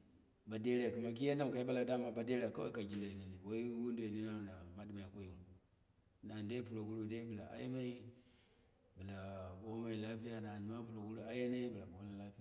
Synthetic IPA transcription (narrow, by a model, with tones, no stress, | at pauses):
ba˨de˦ɾki˨ma˨k̬i˦ja˦nda˦m˨ka˨i˦ba˦la˨da˦ma˨ba˨de˦ɾe˨a˨ka˦o̰˦i˦ka˨d͡ʒi˦la˨i˨na˨ni˨wo˦i˦wu˦ndo˨i˨ni˦na˦˨na˨ma˦dma˨ja˨ko˦ji˦mu˨ | na˨nde˦pu˨lo˨ɡu˦ɾu˦˨de˦bə˨la˨ʔa̰˦ji˦ma˦i˦ | bi˨la˨bo˦ma˦i˨la˦pi˦ja˦na˨n˨ma˦pu˨lo˨ɡu˦lu˦a˦je˦ne˦bi˨la˨bo˦na˦la˦pi˦ja˦